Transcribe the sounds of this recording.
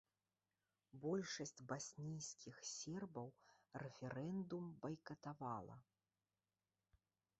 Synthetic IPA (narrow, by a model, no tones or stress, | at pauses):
bɔlʲʂɐsʲt͡sʲbasʲnʲijskʲixsʲɛrbɐwrɛfʲɛɾɛnd̪umbɐjkɐt̪avalˠɐ̰